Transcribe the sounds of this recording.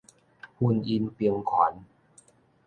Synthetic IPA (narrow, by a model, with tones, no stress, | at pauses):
hu˧nʔi˧npi˧əŋkʰɔː˨˩˦n